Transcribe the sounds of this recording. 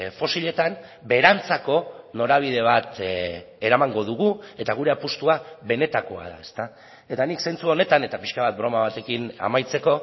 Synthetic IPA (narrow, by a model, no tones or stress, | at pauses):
fo̞siʎe̞t̪am | be̞ɾant͡sako̞no̞ɾaβ̞ið̞e̞β̞at̪ | e̞ɾamaŋɡo̞ð̞uɣue̞t̪aɣ̞uɾe̞apust̪uaβe̞ne̞t̪ako̞a̰ða̰e̞st̪a | e̞t̪anikse̞nt͡suo̞ne̞t̪ane̞t̪apiʃkaβat̪̚bɾo̞maβat̪e̞kina̰majt͡se̞ko̞